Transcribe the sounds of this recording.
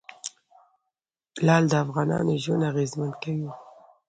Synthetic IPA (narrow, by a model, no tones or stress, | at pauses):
lɑld̪əafɣɑnɑ̰noʒʊnaɣezmankawi